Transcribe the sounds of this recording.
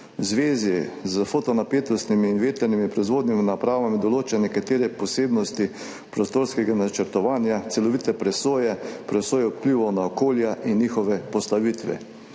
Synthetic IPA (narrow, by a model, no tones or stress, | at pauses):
wzʋeːzizəfot̪ɔnapeːt̪ɔst̪nimiːnʋeːt̪ɛɾnimipɾɔizʋoːd̪niminapɾaːʋamid̪ɔloːt͡ʃɛnɛkat̪eːɾɛpɔseːbnɔst̪i | pɾost̪oːɾskɛɡanat͡ʃəɾt̪ɔʋaːnjat̪sɛlɔʋit̪ɛpɾɛsoːjɛpɾɛsoːjɛup̪pliːʋɔwnaɔkoːljaʔinːixɔʋɛpɔst̪aʋit̪ʋɛ̰